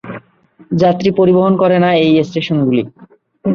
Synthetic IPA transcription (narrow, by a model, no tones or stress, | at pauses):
d͡ʑat̪ːɾipoɾiboɦonkɔɾenaejesʈeʃonɡuli